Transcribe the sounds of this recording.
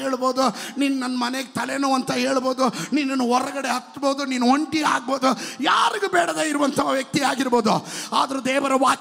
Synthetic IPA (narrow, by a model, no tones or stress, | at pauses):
eːɭbo̞ːd̪uninːunɐnːɐmɐneɡet̪ʰɐlenuːɐnt̪ɐɦeːɭboːd̪uninːɐnːuɦɔɾɐɡɐɽeɦɐt̪ːboːd̪uninːuɦoɳʈia̰ːɡ̚boːd̪ujaːɾiɡubɛːɽɐd̪eːiɾuʋɐnt̪ʰɐʋɐʋjɐk̚t̪iaːɡiɾbo̞ːd̪uaːd̪ɐɾud̪ɛːʋɐɾɐʋaː